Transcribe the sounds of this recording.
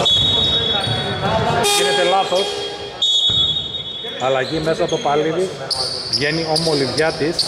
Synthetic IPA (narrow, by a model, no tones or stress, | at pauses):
pinet̪e̞lɐθo̞s | ɐlɐʝime̞sɐt̪o̞pɐliði | vʝe̞nio̞mo̞livʝɐt̪is